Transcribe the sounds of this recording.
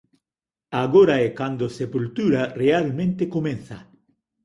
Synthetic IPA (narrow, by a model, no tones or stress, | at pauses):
aɣoɾaekand̪osepult̪uɾarealmẽnt̪ekomẽnθa̰